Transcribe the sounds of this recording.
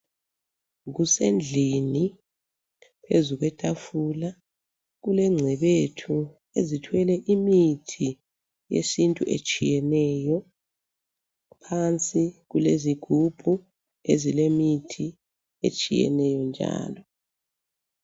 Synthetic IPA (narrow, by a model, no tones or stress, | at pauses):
ɣusend͡ɮʱini | pʰezuɣwɛtʼafula | ɣulɛŋ͡ǀʱɛβetʰu | ezitʰwɛlɛʔimitʰi | jḛsintʼuʔḛt͡ʃʼijɛnɛːjɔ | pʰant͡sʼiɣuleziɡ̥ʱub̥ʱu | ezilemitʰi | ḛt͡ʃʼijɛ̰nɛjɔnd͡ʒʱa̰ːlɔ